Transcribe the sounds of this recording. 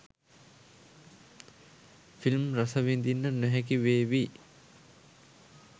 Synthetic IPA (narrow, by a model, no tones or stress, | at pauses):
filmrasɐʋind̪inːənœɦɛk̬iʋeːʋi